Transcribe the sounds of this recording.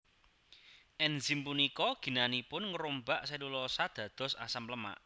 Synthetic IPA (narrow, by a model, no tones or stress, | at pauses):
ʔɛnzimpunikɔɡ̥i̤nanipʊnŋəɾombaʔselulɔsad̪̥ä̤d̪̥ɔ̤sa̰samləma̰ʔ